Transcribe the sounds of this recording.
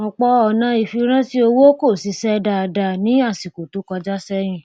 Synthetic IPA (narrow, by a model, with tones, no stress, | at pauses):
ɔ̃˧˨k͡pɔ˧˦ɔ˧˨nã˧˦i˨fi˧ɾ̃ã˦ti˦o˧wo˦ko˦˨si˧˦sɛ˦da˧˨˧da˧˨nĩ˦a˦˨si˨ko˨tu˨˦kɔ˧d͡ʒa˦sɛ˦ɾ̃ĩ˦˨